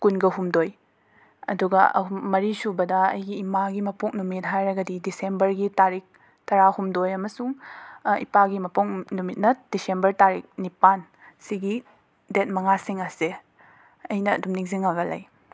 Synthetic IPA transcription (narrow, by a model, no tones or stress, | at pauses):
kunɡɐɦumdoj | ɐ̰duɡɐɐ̰umɐɾisubɐdɐɐ̰jɡiːmaɡimɐpuknumit̚ɦajɾɐɡɐdidisembɐɾɡitaɾik̚ | tɐɾahumdojɐmɐsuŋḭpaɡimɐpuŋnumit̚nɐd̥isembɐɾtaɾik̚nipan | siɡi | det̚mɐŋasiŋɐse | ɐjnɐ̰ːdumniŋziŋaɡɐla̰j